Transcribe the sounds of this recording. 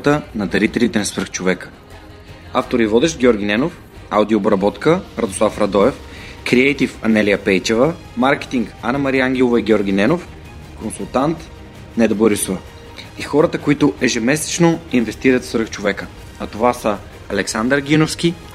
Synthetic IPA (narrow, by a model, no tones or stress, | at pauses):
t̪ənɐd̪ɐɾit̪ɛlit̪ɛnɐsvɾ̩xt͡ʃovɛkə̥ | a̰ft̪oɾivɔd̪ɛʃɡʲɔɾɡʲinɛnof | awd̪iobɾɐbɔt̪kəɾɐd̪oslˠafɾɐd̪ɔɛf | kɾiɛjt̪ifɐnɛliɐpɛjt͡ʃɛvə | maɾkɛ̥t̪iŋkanɐmɐɾiaŋɡʲilˠovɐiɡʲɔɾɡʲinɛnof | konsulˠt̪ant̪ | nɛd̪oboɾisovə | ixɔɾɐt̪əkoit̪ʊʔɛʒɛmɛsɛ̥t͡ʃnoinvɛst̪iɾət̪svɾxt͡ʃovɛkə | nɐt̪ovasə | ɐlɛksand̪əɾɡʲinofsk̟i